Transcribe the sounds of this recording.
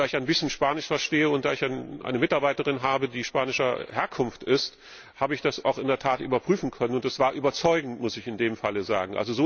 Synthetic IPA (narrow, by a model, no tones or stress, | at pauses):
aːɪçaɪnbɪsçənʃpaːnɪʃfɛɐʃteːəʊnt̚d̥aːɪçanʔa̰ɪnəmɪtaɐbaɪtəʁɪnɦaːbədiːʃpaːnɪʃɐheːɐkʰʊnftɪst | haːbəɪçd̥asa̰ʊxɪndeːɐtʰaːtʔy̰ːbɐpʁ̥yːfn̩kʰœnənʊntd̥ɛsv̥aːɐʔyːbɐt͡sɔʏɡŋ̩tmʊsɪçɪndeːmfaləza̰ːɡŋ̩ʔa̰lzozoː